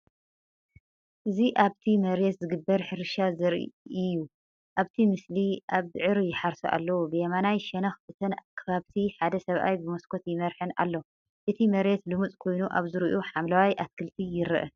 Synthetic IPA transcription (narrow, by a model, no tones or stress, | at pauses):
ʔɨziʔaβt̪ʰimɐɾet̪zɨɡɨbːɐɾħɨɾɨʃazɨɾʔḭɪjːu | ʔaβt̪ʰimɨsliʔaβɨʕɨɾjɪħaɾsuʔa̰lːɐwubɨjɐmanajʃɛnaxfɨt̪ʰɐnkʰɐβaβt̪ʰiħad̪ɐsɐβʔa̰jbɨmoskʰo̞t̪jɪmɐɾħɨnʔa̰lːo | ʔɨt̪ʰimɐɾet̪lɨmut͡sʼkʰo̞jnuʔaβzɨɾɨʔuħamlawajʔat̪kʰɨlt̪ʰijɪɾɨ̰ʔɐ̰